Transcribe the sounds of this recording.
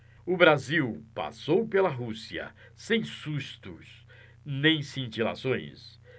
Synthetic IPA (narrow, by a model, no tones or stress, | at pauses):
ʊbɾaziwpa̰sowpelɐɦusiɐ̰ | sẽj̃suʃt̪ʊs | nẽj̃sĩnt͡ʃila̰sõj̃s